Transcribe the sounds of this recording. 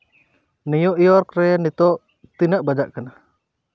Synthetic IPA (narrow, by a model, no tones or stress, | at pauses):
nijuʔjɔɾkɾɛnit̪ɔʔ | t̪inəʔbad͡ʒaʔkana